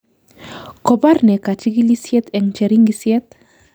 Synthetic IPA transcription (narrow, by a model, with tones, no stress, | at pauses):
kɔ˨ba˦ɾnɛ˨ka˨t͡ʃi˦ɡi˦li˦sjɛ˦t̪ɛ˨ŋt͡ʃɛ˨ɾi˦ŋɡisjɛ˦t̪